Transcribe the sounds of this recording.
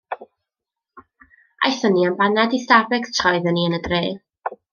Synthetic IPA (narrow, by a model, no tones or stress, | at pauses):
ʔa̰jθəniənbanɛdistavɛɡtʰrɔɨðəniənədreː